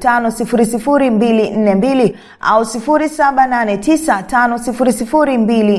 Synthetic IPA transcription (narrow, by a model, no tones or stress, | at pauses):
tanɔsifuɾisifuɾimbilin̩nɛmbili | a̰usifuɾisaɓananɛtʰisatanɔsifuɾisifuɾimbili